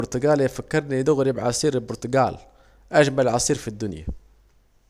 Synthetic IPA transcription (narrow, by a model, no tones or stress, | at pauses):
ʊɾt̪ʊɡaːlafakːɪɾˤnid̪ʊɣɾɪbʕɑsˤiːɾɪlbʊɾt̪ʊɡa̰ːl | ʔad͡ʒmalʕɑsˤiːɾfid̪ːʊnja̰